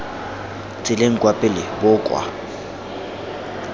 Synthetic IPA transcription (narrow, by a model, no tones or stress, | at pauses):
t͡sʼɪleŋ̩kʼwapʼɪlɪbʊkʼwa̰